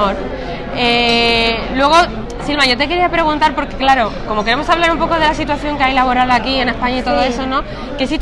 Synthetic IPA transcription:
oɾ | e | lwe̞ɣ̞o̞ | silβmaʝo̞t̪e̞ke̞ɾiapɾe̞ɣ̞unt̪aɾpo̞ɾke̞klaɾoko̞mo̞ke̞ɾe̞mo̞saβlaɾumpo̞ko̞ð̞e̞lasit̪̬waθjo̞ŋkeajlaβo̞ɾalakie̞ne̞spaɲait̪o̞ð̞o̞e̞so̞nõ̞ | kes̬it̪

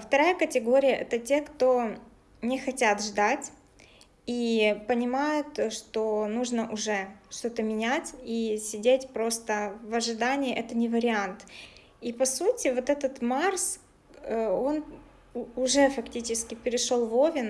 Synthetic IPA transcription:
ft̪ɐɾajəkətʲɪɡo̞ɾʲɪjəʔɛt̪ətʲe̞kt̪o̞ | nʲɪxɐtʲat̪ʐd̪atʲ | ipənʲɪmajʊt̪ʂt̪o̞nuʐnəʔʊʐɛʂt̪o̞t̪əmʲɪnʲætʲisʲɪdʲetʲpɾo̞st̪əvɐʐɨd̪anʲɪɪʔɛt̪ənʲɪvəɾʲɪant̪ | ipɐsutʲɪvo̞t̪ɛt̪ət̪mars | o̞n | ʊʐɛfɐktʲit͡ɕɪskʲɪpʲɪɾʲɪʂo̞lˠvo̞vʲɪn

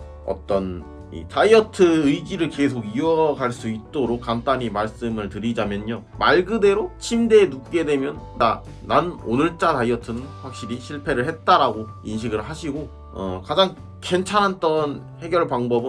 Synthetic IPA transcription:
ʌ̰t͈ʌn | ḭtaiʌtʰɯɯjd͡ʑiɾɯɭke̞sʰoɡiuʌɡaɭs͈uit̚t͈oɾok̚k͈ːant͈aɲimaɭs͈ɯmɯɭtɯɾid͡ʑamjʌɲo | maɭɡɯde̞ɾot͡ɕʰimdenuk̚k͈e̞dwe̞mjʌnːa | nanonɯɭt͡ɕ͈ataiʌtʰɯnɯnɸwak̚ɕ͈iɾiɕʰiɭpʰe̞ɾɯɭhet̚t͈aɾaɡo | inɕ̬ʰiɡɯɭhaɕʰiɡo | ʌ̰kad͡ʑaŋ | ke̞nt͡ɕʰanɦant͈ʌn | he̞ɡjʌɭpaŋbʌbɯn

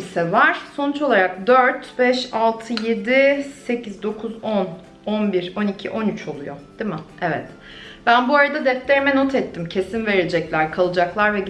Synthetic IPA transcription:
isɛvaɾ̥so̞nut͡ʃo̞lˠaɾak̚d̪øɾt̪bɛʃalˠt̪ʰɯje̞d̪ise̞cʰizd̪o̞kʰuzon | onbiɾo̞nicʰḭʔo̞nyt͡ʃʰo̞lˠujod̪̥imɪɛvɛt̪ | b̥ænbuaɾad̪ad̪ɛt̪lʲe̞ɾimɛno̞t̪ʰɛt̪ʰːimcʰe̞sinve̞ɾiled͡ʒɛclʲæɾkʰalˠɯd͡ʒaklˠaɾvɛ

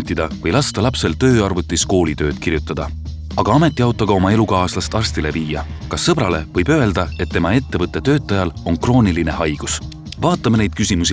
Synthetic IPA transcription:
t̪ːid̪̥ɑvɤjlɑst̪ɑlɑpse̞lt̪ø̞ːɑrvut̪ːˑisko̞ːlit̪ø̞ːd̪̥kirjut̪ːˑɑd̪̥ɑ | ɑɡ̥ɑɑme̞t̪ːˑiɑwt̪ˑːɑɡ̥ɑo̞mɑe̞lukɑːslɑst̪ɑrst̪ile̞viːjɑ | kɑsːɤb̥ɾɑle̞vɤ̞jbø̞e̞ld̪̥ɑe̞t̪ːe̞mɑe̞t̪ːe̞vɤt̪ːˑe̞t̪ø̞ːt̪ːˑɑjɑlo̞nkro̞ːniline̞hɑjɡ̥us | vɑːt̪ːˑɑmene̞jd̪̥̚kysʲimusi

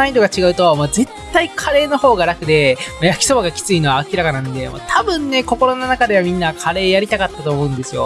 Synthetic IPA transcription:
aid̪o̞ɡat͡ɕiɡaɯ̟t̪o̞moːze̞t̪ːaikʰaɾe̞ːno̞ho̞ːɡaɾakɯ̟d̪e̞mojakʲi̥so̞baɡakʲi̥t͡sɨino̞βaːkʲiɾakananod̪e̞mo̰ːt̪ʰabɯ̟̃nːe̞ko̞ko̞ɾo̞nonakad̪e̞βamʲĩnːakʰaɾe̞ːjaɾʲit̪akat̪ːat̪o̞ːmo̞ɯ̟̃nd̪e̞sɨjo̞̰

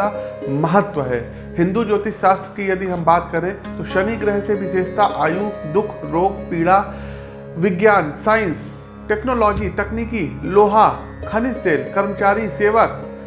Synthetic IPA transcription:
amɐɦət̪ʋəɦɛː | hɪ̃nd̪ud͡ʒoːt̪iʃaːst̪ɾəkijɐd̪iɦɐmbaːt̪kɐɾẽt̪oʃɐniɡɾɛɦsebʱɪseːd͡ʒt̪aʔaːjuːkd̪ʊkʰɾoːɡpiːɽa | ʋɪɡjaːnsaːɪ̃ns | ʈeːknoːlɔːd͡ʒit̪ɐkniːkiloːɦa | kʰɐnɪst̪eːlkɐɾmət͡ʃaːɾiseːʋək̚

